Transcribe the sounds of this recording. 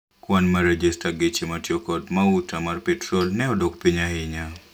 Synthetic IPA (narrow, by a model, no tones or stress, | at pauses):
kwanmaɾɛd͡ʒistaɡit͡ʃematjokɔdmautamarpɛtɾolnɛɔdokpiɲaɪɲa